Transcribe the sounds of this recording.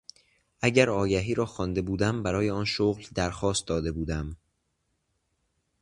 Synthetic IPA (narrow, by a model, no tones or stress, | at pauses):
ʔæɟæɾɒːjæɦiːɾɒːxɒːnd̪e̞buːd̪æmbæɾɒːjeɒːnʃoɣld̪æɾxɒːst̪̚d̪ɒːd̪e̞buːd̪æm